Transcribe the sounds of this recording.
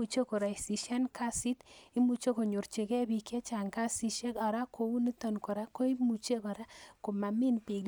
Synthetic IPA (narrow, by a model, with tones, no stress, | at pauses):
u˨t͡ʃe˦ko˨ɾa˨i˨si˨ʃa˦nka˦si˦ti˦mu˨t͡ʃe˦ko˨ɲo˨ɾt͡ʃe˨kɛ˦bi˦˨ke˦t͡ʃa˨ŋka˦si˦ʃe˦ka˨ɾa˦kʰo˨u˦ni˦to˨nko˨ɾa˦ko˦i˦mu˨t͡ʃe˦kɔ˨ɾa˦ko˨ma˨mi˦npe˨